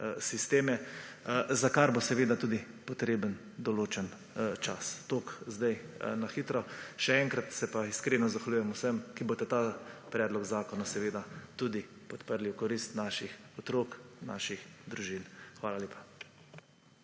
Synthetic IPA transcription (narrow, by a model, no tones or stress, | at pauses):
sist̪eːmɛ | zakaɾbosɛʋeːd̪at̪uːd̪i | pɔt̪ɾeːbən | d̪ɔloːt͡ʃɛn | t͡ʃa̰st̪oːkzd̪ajnaxit̪ɾɔʃɛɛŋkɾat̪sɛpaiskɾeːnɔzaxalʲujɛmusəmkibot̪ɛt̪apɾɛːd̪lɔɡzaːkɔnasɛʋeːd̪at̪uːd̪ipɔt̪pəɾliwkɔɾist̪naːʃixɔt̪ɾoːkna̰ːʃixd̪ɾuʒinxʋaːlaljeːpḁ